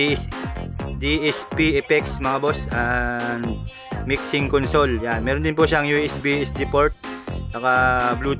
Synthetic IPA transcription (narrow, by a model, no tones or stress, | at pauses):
d̪iʔɛspiʔɛpɛksmɐŋɐbosɐn | miksɪŋkonso̞ljanmɛːɾond̪ɪnpʊʃaɐŋjuʔɛsbiɛsd̪ipoɹt̪̚t͡ʃɐkabluː